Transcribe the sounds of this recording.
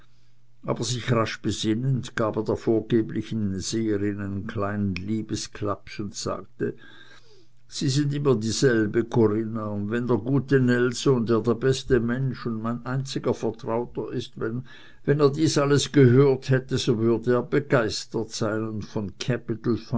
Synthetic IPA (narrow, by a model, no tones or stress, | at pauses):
ʔa̰ːb̥ɐzɪçʁaʃb̥əz̥ɪnəndɡ̥aːbeːɐd̥eːɐfoːɐɡ̥eːblɪçn̩z̥eːəʁɪnaɪnənkʰl̥aɪnənliːbəskʰlapsʊntsa̰ːk̚tə | z̥iːzɪndɪmɐdiːzɛlbəkʰoʁɪnaʊndvɛndeːɐɡuːtənɛlzoːndeːɐdeːɐbɛstəmɛnʃʊndmaɪnʔaɪnt͡sɪɡɐfɛɐtʁ̥aʊtɐʔɪstvɛn | vɛneːɐdiːsʔaləsɡ̥əɦøːɐthɛtəzovʏɐdəːɐbəɡaɪstətsaɪnʊntfɔnkʰɛpɪtl̩f